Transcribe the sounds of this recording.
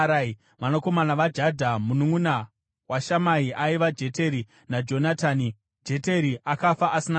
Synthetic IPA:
ɾa | ʋanoko̞manaʋad͡ʒadʱamunuŋuna | waʃamaiʔaiʋad͡ʒe̞te̞ɾi | nad͡ʒo̞nataːni | d͡ʒe̞teɾiʔakafaʔasina

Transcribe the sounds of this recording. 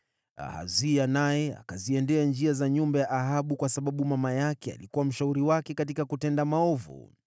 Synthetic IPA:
a̰ha̰zianajɛa̰kaziɛndɛand͡ʒiazaɲumbajaʔaɦaɓukwasaɓaɓumamajakɛa̰likuwam̩ʃauɾiwakɛkatikakutɛndamaɔvṵ

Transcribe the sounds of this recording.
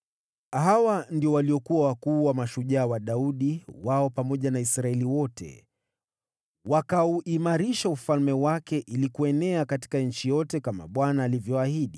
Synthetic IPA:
ɦawandiɔwaliɔkuawakuːwamaʃuʄaːwaɗauɗiwaɔpamɔʄanaisɾaɛliwɔtʰɛ̰ | wakauʔimaɾiʃaufalmɛwakɛʔilikuɛnɛakati̥kaɲ̩t͡ʃijɔtɛkama̰ɓwanaːlivjɔahiɗi

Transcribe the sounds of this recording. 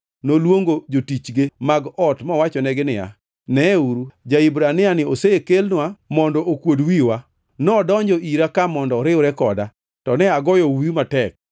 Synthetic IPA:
nolwoŋɡod͡ʒotit͡ʃɡemaɡɔtmɔwat͡ʃɔnɛɡɪnɪja̰ | nɛuɾud͡ʒaibɾanɪanɪosekelnwamɔndɔʔokwodwiwa | nɔdɔɲd͡ʒɔʔiɾakamɔndɔɾɪwɾɛkɔda | tɔnɛaɡɔjɔwiumatɛk̚

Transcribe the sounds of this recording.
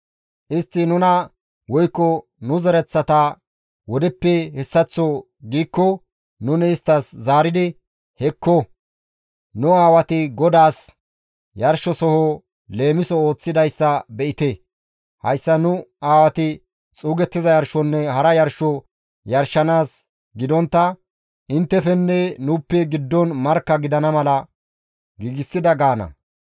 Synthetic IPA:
ʔɪst̪ːɪnʊnɐ | wɔjkːɔnʊzɛɾɛt͡sːɐt̪ɐ | wɔd̪ɛpːɛhɛsːɐt͡sːɔ | ɡiːkːɔ | nʊnɛɪst̪ːɐszaːɾɪd̪ɪ | hɛkːɔ | nʊaːwɐt̪ɪɡɔd̪aːs | jɐɾʃɔsɔho | le̞ːmɪsɔo̞ːt͡sːɪd̪ɐjsːɐbɛʔɪt̪e | hɐ̰jsːɐnʊaːwɐt̪ɪ | t͡sʼuːɡɛt̪ːɪzɐjɐɾʃɔnːɛhɐɾɐjɐɾʃɔ | jɐɾʃːɐnaːs | ɡɪd̪ɔnt̪ːɐ | ʔɪnt̪ːɛfɛnːɛnʊpːɛɡɪd̪ːɔnmɐɾkːɐɡɪd̪ɐnɐmɐlɐ | ɡiːɡɪsːɪd̪ɐɡaːnɐ̰

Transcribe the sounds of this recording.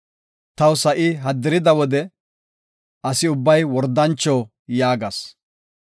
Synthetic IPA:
t̪ɐwsɐʔɪɦɐd̪ːɪɾɪd̪ɐwɔd̪ɛ | ɐsɪʊbːɐjwɔɾd̪ːɐnt͡ʃːoː | jaːɡɐs

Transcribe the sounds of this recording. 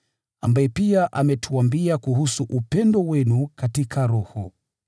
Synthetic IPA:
a̰mbaɛpiaʔamɛtʰuambiakuhusuʔupɛndɔwɛnukatikʰaɾɔhɔ̰

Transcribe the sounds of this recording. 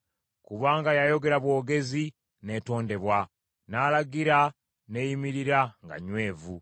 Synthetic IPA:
kuβaːŋɡajajo̞ɡe̞ɾaβwo̞ːɡe̞zi | ne̞ːto̞ːnde̞βwa | nalaɡiɾa | ne̞jimiɾiɾaŋɡa̰ɲwe̞ːvu

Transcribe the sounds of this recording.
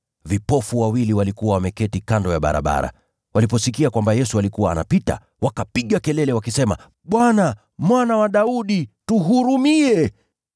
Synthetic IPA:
vipɔfuwawiliwalikuwawamɛkɛtikandɔjaɓa̰ɾa̰ɓa̰ɾa̰ | wʔalip̬ɔsikiakwambajɛsualikuwaːna̰pita̰ | wakapiɠakɛlɛlɛwakisɛma̰ | ɓwana | mwanawaɗauɗituɦuɾumiɛ

